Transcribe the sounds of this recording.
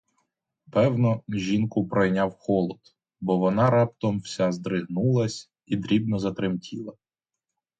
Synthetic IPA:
pɛwnɔʒʲinkʊpɾɔjnʲɑwxɔlˠɔd̪̥ | bɔʋɔnɑɾɑpt̪ɔmwsʲɑzd̪ɾɪɦnulˠɐsʲ | id̪ɾʲibnɔzɐt̪ɾɪmtʲʰilˠɐ

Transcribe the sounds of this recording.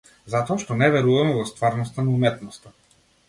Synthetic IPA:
zat̪ɔaʃt̪ɔnɛvɛɾuvamɛvɔst̪vaɾnɔst̪anaumɛt̪nɔst̪a

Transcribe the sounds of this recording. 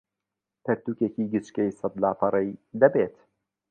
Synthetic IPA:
tʰɐɾt̪uːkeciːɡɨt͡ʃkejsɑd̪laːpʰɐɾˤɛjd̪ɐbeːt̪

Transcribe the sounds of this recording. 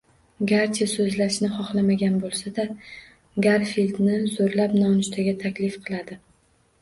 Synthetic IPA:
ɡaɾt͡ʃʰasɵzlaʃnɪχɒχlˠamaɡʲanbolˠsad̪a | ɡaɾfild̪nɪzoɾlapnɒnʊʃt̪ʰaɡʲat̪ʰakʲlɪfqʰɨlˠad̪ɪ

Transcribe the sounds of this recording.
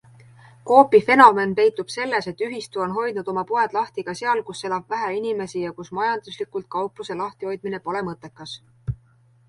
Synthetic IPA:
ko̞ːpife̞no̞me̞npe̞jt̪ːˑub̥se̞lːese̞t̪ːˑyɦist̪uo̞nɦo̞jd̪nud̪̥o̞mɑpoe̞d̪̥lɑht̪iɡ̥ɑse̞ɑlkusːe̞lɑb̥væɦæinime̞sijɑkusmɑjɑnd̪̥uslikˑult̪̚kɑwpluse̞lɑht̪iho̞jd̪̥̚mine̞po̞le̞mɤt̪ːˑe̞kːɑs

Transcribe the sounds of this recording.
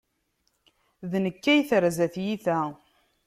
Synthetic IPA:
ðnəkːæjθɾzæθjiθæ

